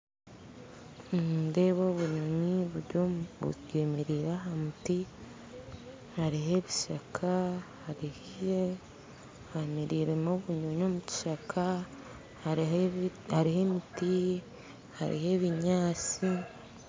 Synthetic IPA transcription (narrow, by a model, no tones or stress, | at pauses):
de̞βo̞βuɲoɲiβuɾɟoβṵɡemeɾiɾaɦamuti | haɾiɦe̞βiʃakʰahaɾih | hamiɾiːɾemoβuɲoɲo̞ːmuci̥ʃakʰa | haɾihe̞miti | ha̰ɾḭhe̞βiɲaːt͡si